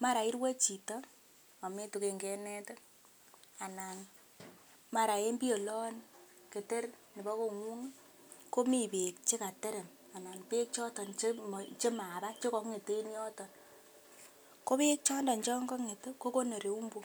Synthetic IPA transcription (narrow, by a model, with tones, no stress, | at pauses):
ma˦ɾa˨i˦ɾwe˦t͡ʃi˨tɔ˦ | a˨me˦tu˨ke˨ŋɡɛ˦nɛ˦to˦ | a˨na˨n | ma˨ɾa˨e˦mbi˦o˨lɔ˦n | ke˨te˦rni˨bɔ˦ko˨ŋwu˦ŋ˦ | ko˦mi˦˨pe˨k̚t͡ʃɪ˦ka˨te˦ɾe˨m | a˨na˨npe˦k̚t͡ʃɔ˦tɔ˨nt͡ʃt͡ʃe˦ma˨ba˦t͡ʃe˦kɔ˦kŋe˨te˦njɔ˦tɔ˨n | ko˦pe˦k̚t͡ʃɔ˦ndɔ˨nt͡ʃɔ˦ŋɡɔ˦ŋe˨tko˦ko˦no˨ɾe˨u˦mbu˦